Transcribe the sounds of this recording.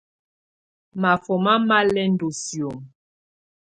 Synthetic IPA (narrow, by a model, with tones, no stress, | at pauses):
ma˨fɔ˨ma˦ma˦lɛ˦n̩˦do˨sjo˨m